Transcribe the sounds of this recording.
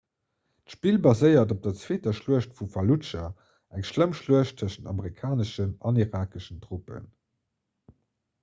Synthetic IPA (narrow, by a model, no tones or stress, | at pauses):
tʃpiːlbɑzəɪɐdop̚d̥ɐt͡sweːtɐʃluəʃtfufɐlut͡ʃɐ | æŋʃləmʃluəʃtʰəʃənɑ̰məʁikʰaːnəʃənɑniʁaːkəʃəntʁupə̰n